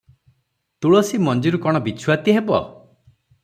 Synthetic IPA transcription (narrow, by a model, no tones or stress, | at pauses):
t̪uɭɔsimɔnd͡ʒiɾukɔɽ̃ɔbit͡ʃʰuwat̪iɦebɔ̰